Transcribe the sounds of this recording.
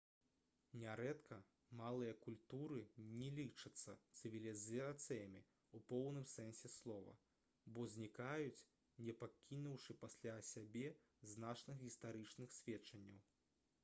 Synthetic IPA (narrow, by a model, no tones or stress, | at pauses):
nʲaɾɛt̪kʰɐ | malˠɨjɐkulʲt̪uɾɨnʲɛlʲit͡ʂɐt̪sːɐ̰t̪sɨvʲilʲizat̪sɨjɐmʲi | upɔwnɨmsɛnsʲɛslˠɔvɐ̰ | bɔzʲnʲikajut͡sʲ | nʲɛpakʲʰinuwʂɨpasʲlʲasʲabʲɛ | znat͡ʂnɨxɣʲist̪aɾɨt͡ʂnɨxsʲvʲɛt͡ʂɐnʲːɐ̰w